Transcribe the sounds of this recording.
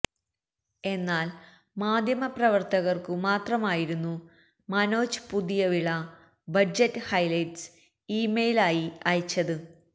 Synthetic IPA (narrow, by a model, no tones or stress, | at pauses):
e̞nːaːl | maːd̪ʱjɐmɐprɐʋɐrt̪ɐɣɐrkɨmaːt̪rɐmaːjiɾunːu | mɐno̞ːt͡ɕɨ̥puðijɐʋiɭɐ | bɐd͡ʑɐtːɨhɐjlɐjʈs | iːmejlaːjiɐjit͡ɕːɐðɨ